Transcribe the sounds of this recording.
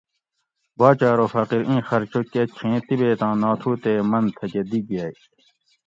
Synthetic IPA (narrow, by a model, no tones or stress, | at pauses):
baːt͡ɕaːɾoːfɐqiɾĩːxɐɾt͡ɕʰoket͡ɕʰĩːt̪ibeːt̪ãːnaːt̪ʰuːt̪eːmɐnt̪ʰɐked̪iɡjaːi